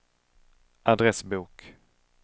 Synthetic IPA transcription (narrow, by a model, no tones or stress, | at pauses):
ʔad̪ɾɛsbuːk